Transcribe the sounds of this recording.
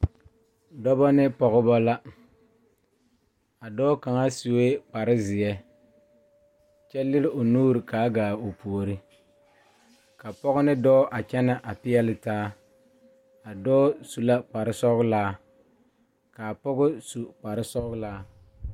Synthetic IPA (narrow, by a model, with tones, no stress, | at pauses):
dɔ˦bɔ˦nɪ˦pɔ˨ɣʊ˦bɔ˦la˦ | a˨dɔː˦ka˨ŋa˦si˨we˦k͡pa˨ɾɪ˦zɪ˨ɛ˦ | t͡ʃɛ˦lɪ˦ɾɪ˦o˨nuː˦ɾɪ˨kaː˨˦ɡaː˨o˨pu˨o˨ɾi˦ | ka˨pɔ˦ɣʊ˦nɪ˦dɔː˦ʔa˨t͡ʃɛ˦na˦ʔa˨pɪ˦ɛ˦lɪ˦taː˦ | a˨dɔː˦su˨la˦k͡pa˨ɾɪ˦sɔ˦laː˦ | ka˨pɔ˦ɣʊ˦su˨k͡pa˨ɾɪ˦sɔ˦laː˦